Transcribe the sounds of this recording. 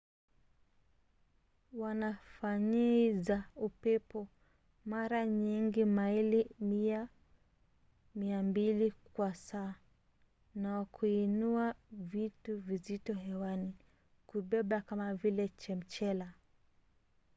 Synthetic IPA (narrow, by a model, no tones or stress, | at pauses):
wanafaɲɛizaupɛpɔ | maɾaɲiŋɡimailimia | miambilikwasaː | nawakʰuinuavituvizitɔhɛwani | kuɓɛɓakamavilɛt͡ʃɛm̩t͡ʃɛla